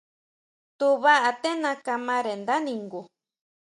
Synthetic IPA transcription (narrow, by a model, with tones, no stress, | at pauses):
t̪u˧βa˦ʔa˧t̪e˦nã˧ka˧mã˦ɾe˨nd̪a˦nĩ˧ŋɡu˨